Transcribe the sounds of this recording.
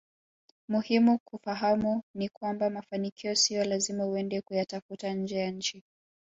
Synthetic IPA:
muhimukufaɦamunikwambamafanikʰiɔsiɔlazimauɛndɛkujatafutaɲ̩d͡ʒɛjaɲ̩t͡ʃi

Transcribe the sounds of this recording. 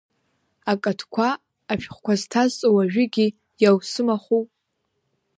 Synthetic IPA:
akʼatʰkʷʰaː | ʃᶣχʷkʷaztʰazt͡sʼowaʒᶣɪɡʲi | jawsɨmaχu

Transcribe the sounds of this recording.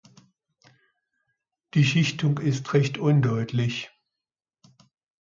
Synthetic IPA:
d̥iːʃɪçtʊŋɪstʁɛçtʔʊndɔʏtʰlɪç

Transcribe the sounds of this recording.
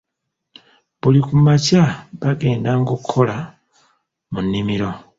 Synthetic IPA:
βulikumacaβaɡe̞ːndaŋɡukʰːola | munːimiɾo̞

